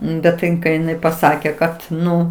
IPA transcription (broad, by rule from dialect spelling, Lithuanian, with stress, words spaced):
bʲɛt tɐɪ ˈɪn kɐɪ ɪˈnɐɪ pɐˈsɑːkʲɛ ˈkɐt ˈnʊ